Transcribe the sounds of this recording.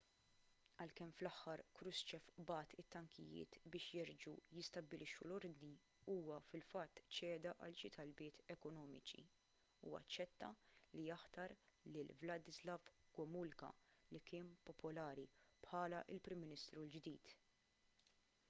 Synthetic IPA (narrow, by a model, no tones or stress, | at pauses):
ɐlkɛmflɐħːɐɾkɾʊst͡ʃɛfbɐːt̪ʰɪt̪ːɐŋkʰɪjɪ̰ːt̪bɪːʃjɛɾd͡ʒujɪst̪ɐbːɪlʔɪʃːulɔɾd̪ni | uːwɐfɪlfɐt̪ːt͡ʃɛːd̪ɐʔɐlʃɪt̪ʰɐlbɪːt̪ɛkɔnɔːmɪt͡ʃḭ | uɐ̰t͡ʃːɛt̪ːɐlijɐħt̪ɐɾlɪlvlɐd̪ɪzlɐvɡ̥ɔmʊlkɐ̰likɪːnpɔpʰʊlɐːɾipħɐːlɐʔɪlpɾɪmːɪnɪst̪ɾuld͡ʒd̪iːt̪